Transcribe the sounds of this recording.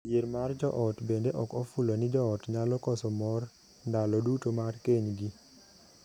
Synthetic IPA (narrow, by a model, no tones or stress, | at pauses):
eɾmard͡ʒɔʔɔtbendeʔɔkɔfulonɪd͡ʒɔɔtɲalɔkɔsɔmɔr | ndalɔdutomarkeɲɡi